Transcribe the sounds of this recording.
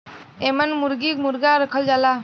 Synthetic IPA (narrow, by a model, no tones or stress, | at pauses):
ɛmanmuɾɡik̚muɾɡaɾəkʰɔld͡ʒala